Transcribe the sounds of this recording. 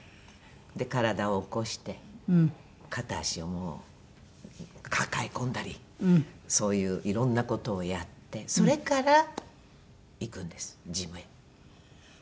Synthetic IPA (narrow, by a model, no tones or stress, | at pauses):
d̪e̞kaɾad̪aoːko̞ɕi̥t̪e̞ | kʰat̪aɕio̞mo̞ː | kʰakaekõ̞nd̪aɾʲi | so̞ːjɯ̟ːʔiɾõ̞nːako̞t̪o̞ːjat̪ːe̞so̞ɾe̞kaɾa | ikɯ̟̃nd̪e̞sɨ̥d͡ʑimɯ̟ja